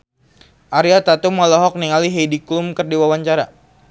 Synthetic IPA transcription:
ʔaɾiat̪at̪umɔlɔɦɔk̚niŋaliɦejdiklumkərdiwawaɲt͡ʃaɾa

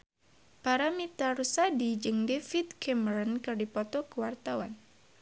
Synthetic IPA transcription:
paɾamit̪arusadid͡ʒɨŋdefit̪̚kɛməɾɔnkɨrdipɔt̪ɔkəwart̪awan

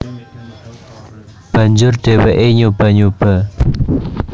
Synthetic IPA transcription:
pəɲd͡ʑorʈ͡ʂewaʔeɲopəɲolpə

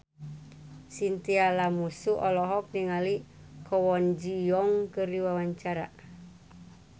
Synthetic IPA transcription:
sint̪ialamusuʔɔlɔɦɔk̚niŋali | kʰɔwɔnd͡ʒijɔŋkɨriwawaɲt͡ʃaɾa̰

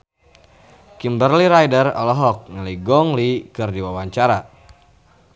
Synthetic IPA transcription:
kimbərliɾajdərɔ̰lɔɦɔk̚ŋəliɡɔŋlikɨrdiwawaɲt͡ʃaɾa

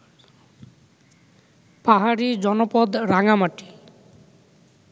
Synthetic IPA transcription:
paɦaɽid͡ʒɔnɔpɔd̪ɾaŋamaʈi̥

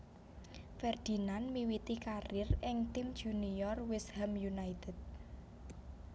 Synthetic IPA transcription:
fɛrd̪̥i̤nanmiwit̪ikarɪrʔɪŋt̪imd̥ʒ̥unijɔrwɪshɛmjunait̪ɛd̪̚

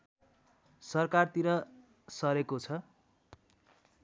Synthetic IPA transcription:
sʌrkart̪iɾʌ | sʌɾekot͡sʰʌ

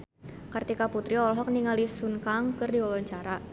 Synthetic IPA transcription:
kart̪ikaput̪ɾiɔlɦɔk̚niŋalisunkaŋkɨrdiwawaɲt͡ʃaɾa

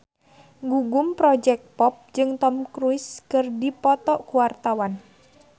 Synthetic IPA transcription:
ŋɡuɡʊmpɾɔd͡ʒɛk̪̚pɔp̚d͡ʒɨŋt̪ɔmkɾuɪskɨrdipɔt̪ɔʔkuwart̪awan

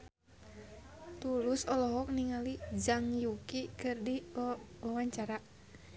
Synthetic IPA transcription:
t̪ulusɔlɔɦɔk̚niŋalid͡ʒaŋjukikɨrdiawaɲt͡ʃaɾaʔ

